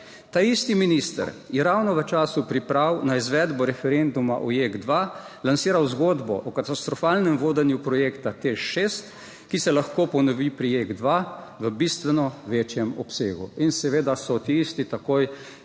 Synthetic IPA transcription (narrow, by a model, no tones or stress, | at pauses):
t̪aist̪iminist̪ə̰ɾjɛɾawnɔʋət͡ʃaːsupɾipɾawnaizʋɛːd̪bɔɾɛfɛɾend̪uma̰ʔɔjeɡd̪ʋa | lansiːɾawzɡod̪bɔ̰ʔɔkat̪ast̪ɾɔfaːlnɛmʋoːd̪ɛnjupɾɔjekt̪at̪eʃeːst̪ | kisɛlaxkoːpɔnɔʋipɾijeɡd̪ʋaʋəbist̪ʋɛnɔʋeːt͡ʃjɛmɔ̰pseːɡṵinsɛʋeːd̪asɔt̪iist̪it̪akoj